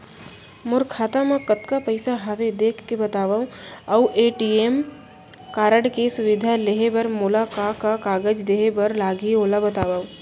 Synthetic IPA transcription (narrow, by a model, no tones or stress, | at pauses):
mʊɾkʰaːt̪amãkɐt̪kapɐɪsaɦɐʋed̪eːkʰkebɐt̪aːʋaːũɐwʔeːʈiːem | kaːɾəɽkesʊʋɪd̪ʱaleɦebɐɾmʊlakakakaːɡəd͡ʒd̪eːɦebɐɾlaːɡioːlabɐt̪aːʋaːũ